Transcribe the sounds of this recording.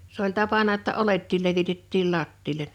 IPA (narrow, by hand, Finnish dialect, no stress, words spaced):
s olʲ tɑpɑnɑ ŏtːɑ oletːiːl leʋitetːiːl lɑtːiːlen